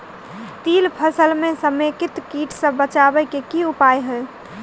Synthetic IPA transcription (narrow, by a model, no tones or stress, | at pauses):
t̪ilpʰəsəlmẽsəmekɪt̪kiʈʰsə̃bət͡ʃabəkekiupajɦəj